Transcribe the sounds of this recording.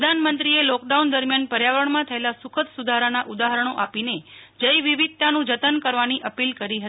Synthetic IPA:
d̪ʱanmənt̪ɾielɔkɖaund̪əɾmjanpəɾjaʋəɳmãt̪ʰəelasukʰət̪sud̪ʱaɾanaʔud̪aɦəɾəɳ̃oʔapined͡ʒəjʋiʋid̪̚t̪anũd͡ʒət̪ənkəɾʋaniʔəpilkəɾiɦət̪i

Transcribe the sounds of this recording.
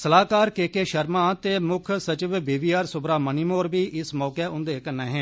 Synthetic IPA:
səlaːkaːɾkeːkeːʃəɾmãːt̪eːmʊkʰsət͡ʃɪʋbiːʋiːaːɾsʊbɾaːməniːmoːɾbiːʔɪsmɔːkeːʔʊ̃nd̪eːkənɛːɦɛ̃ː

